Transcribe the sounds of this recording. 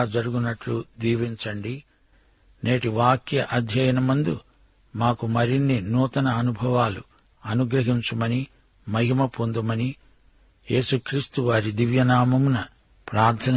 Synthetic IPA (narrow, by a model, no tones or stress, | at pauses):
d͡ʒɐɾuɡunɐʈlud̪iːʋiɲt͡ʃɐɳɖi | ne̞ːʈiʋaːkjɐʔɐd̪ʱjɐjɐnɐmɐnd̪u | maːkumɐɾinːinuːt̪ɐnɐːnubʱɐʋaːlu | ɐnuɡɾɐɦiɲt͡ʃɐmɐni | mɐɦimɐpond̪umɐni | je̞ːsukɾiːst̪uʋaːɾid̪iʋjɐnaːmɐmunɐ | pɾaːɾt̪ʰɐn